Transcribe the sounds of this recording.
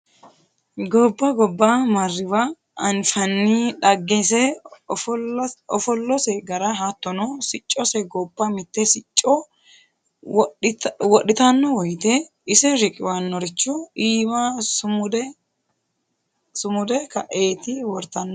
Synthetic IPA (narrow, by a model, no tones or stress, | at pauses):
ɡɔbːɐɡɔbːamɐrːɪbɐː | nfɐnːiᶑɐɡːɛsɛ | ɔfɔlːɔsɛɡɐɾɐɦat̪ːɔnɔsɪt͡ʃʼːɔsɛɡɔbːɐmɪt̪ːɛsɪt͡ʃʼːɔ | wɔɗɪt̪ɐnːɔwɔjt̪ɛ | ɪsɛɾɪkʼɪwanːɔɾɪt͡ʃːɔiːmasʊʊd̪ | sʊmʊd̪ɛkɐʔe̞ːt̪ɪwɔɾt̪ɐnːɔ